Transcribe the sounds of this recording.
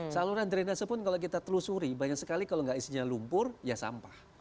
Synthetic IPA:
saluɾand̪əɾinasəpʊnkalok̬it̪at̪əlusuɾibaɲak̚səkalikaloŋɡaʔisiɲalumpʊrjasa̰mpah

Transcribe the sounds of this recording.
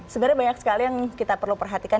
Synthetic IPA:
səbəɾajbaɲak̚sə̥kalijaŋkit̪apərlupərɦat̪ikan

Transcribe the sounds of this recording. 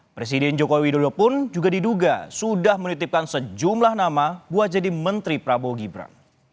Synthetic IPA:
pɾes̬idɛnd͡ʒokowidodopʊnd͡ʒuɡadiduɡasudahmənit̪ɪp̚kansəd͡ʒumlahnamabuat̪̚d͡ʒadimənt̪ɾipɾaboɡibɾa̰n

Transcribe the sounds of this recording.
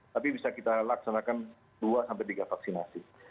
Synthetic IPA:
t̪apibisakit̪alaksanakan | duasampɛjt̪iɡafaksinasi

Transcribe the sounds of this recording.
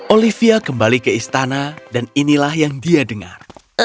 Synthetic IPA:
ʔolifiakəmbalikəist̪anadaninilahjaŋdiadəŋa̰r

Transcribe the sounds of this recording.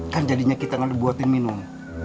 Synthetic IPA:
kand͡ʒadiɲakit̪aŋandibuat̪ɪnminʊm

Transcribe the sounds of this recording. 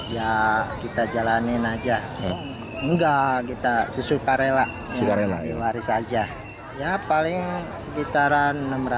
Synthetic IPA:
jakit̪ad͡ʒalanɪnad͡ʒa | ŋɡakit̪asusupaɾelaʔ | aupaɾela̰waɾɪsad͡ʒa | japalɪŋ | səbit̪aɾanːəmɾa

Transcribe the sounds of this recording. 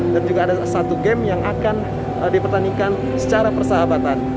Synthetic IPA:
dand͡ʒuɡaːdasat̪uɡɛmjaŋakan | dipərt̪anikan | sə̥t͡ʃaɾapərsəɦabat̪an

